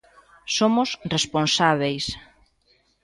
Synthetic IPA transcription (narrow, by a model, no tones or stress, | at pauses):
somʊsresponsaβ̞ejs